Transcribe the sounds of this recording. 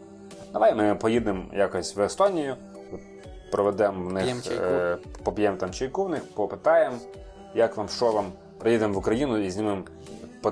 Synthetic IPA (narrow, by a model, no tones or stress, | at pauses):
d̪ɐʋajmɪpɔjid̪nɪmjakɔsʲtʲʋest̪ɔnʲijʊ | pɾɔʋɛd̪ɛmʋnɪx | pɔpʲjɛmt̪amt͡ʃijkuwnɪxpɔpɪt̪ɑjem | jakʋamʃɔʋɐm | pɾɔjid̪ɪmʋʊkɾɐjinʊizʲnʲɪmɪm | pɔ